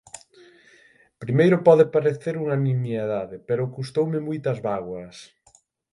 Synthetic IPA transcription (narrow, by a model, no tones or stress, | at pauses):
pɾimejɾʊpɔðepaɾeθeɾuŋanĩmjeðaðepeɾʊkust̪owmemujt̪ɐzβaɣwɐs